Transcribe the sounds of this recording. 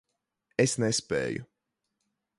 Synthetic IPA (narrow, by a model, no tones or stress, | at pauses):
esnɛspɛ̰ːjṵ